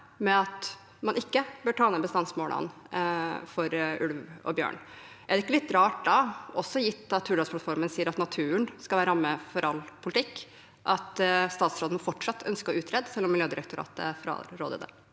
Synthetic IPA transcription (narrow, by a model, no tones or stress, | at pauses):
mɛɑt̪ | mɑnɪkːəbøːʈʰɑːnəbəst̪ɑnsmoːlɑ̰n | fɔɾʉlʋɔ̰bjø̰ːɳ | ʔæɖɛɪkːəlɪt̪ːɾɑːʈd̪ɑʔɔsɔjɪt̪ːɑt̪ʰːʉːɖɑspʰlɑt̪fɔɾmənsiːəɾɑt̪nɑt̪ʰʉːənskɑʋæːɾɑmːəfɔɾʔɑlːpʰʊlɪt̪ɪkː | ʔɑt̪st̪ɑːt̪sɾoːd̪nɔfɔʈʂɑt̪ʰːœnskəɔʉːt̪ʰɾɛːd̪sɛlːɔmːɪljøːd̪ɪɾəkt̪ʰʊɾɑ̰ːt̪ə̰fɾɑ̰ɾo̰ːd̪ə̰d̪ə̰